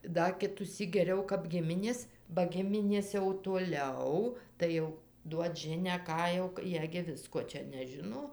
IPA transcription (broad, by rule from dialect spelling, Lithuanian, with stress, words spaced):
ˈdɐ kʲɪtuːˈsʲiːk ɡʲɛˈrʲɛʊ kɐp ˈɡʲɪmʲɪnʲeːs bɐ ˈɡʲɪmʲɪnʲeːs jɛʊ toːˈlʲɛʊ tɐɪ ˈjɛʊ ˈduɔt ˈʒʲɪnʲæː ˈkɑː jɛʊ ˈjiɛ ɡʲɪ ˈʋʲɪskoː ˈt͡ʃʲɛ nʲɛˈʒʲɪnoː